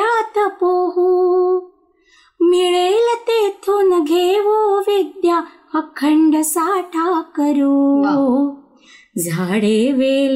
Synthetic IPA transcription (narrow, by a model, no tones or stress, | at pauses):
aːt̪ɐpoːɦu | miɭeːlɐt̪eːt̪ʰonɐɡʱeːʋoːʋed̪ja | ɐkʰːɐɳɖɐsaːʈʰaːkɐɾu | zʱaːɽeːʋeː